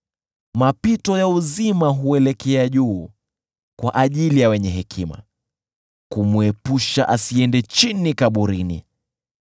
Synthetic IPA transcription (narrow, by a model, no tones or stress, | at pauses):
mapitɔjauzimaɦuɛlɛkɛaʄuː | kwaʔaʄilijawɛɲɛɦɛkʰima̰ | kumuɛpuʃaʔasiɛndɛt͡ʃinikaɓuɾinḭ